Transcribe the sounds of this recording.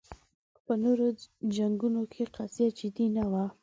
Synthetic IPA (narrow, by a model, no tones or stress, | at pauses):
pənoɾod͡ʒaŋɡunokʰeqazjad͡ʒɪd̪inawa